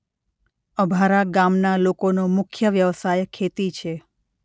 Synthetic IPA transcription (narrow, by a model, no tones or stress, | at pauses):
əbʱaɾaɡamnalokonomʊkʰjəʋjəʋsajkʰet̪it͡ʃʰe